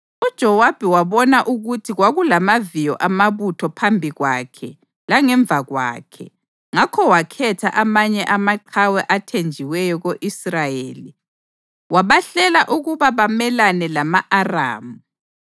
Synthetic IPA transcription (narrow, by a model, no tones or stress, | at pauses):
ud̥ʒ̥ʱɔwab̥ʱɛwaβɔnaʔuɣutʰiɣwaɣulamavijɔ̰ʔamaβutʰɔpʰambʱiɣwakʰɛ | laŋɛɱb̪vʱaɣwa̰ːkʰɛ̰ | ŋakʰɔwakʰɛtʰa̰ʔamaɲɛʔamaǃʰawɛʔatʰend͡ʒʱiwɛjɔɣoʔisrajeːli | waβaɬɛlaʔuɣuβaβamɛlanɛlamaʔara̰ːmu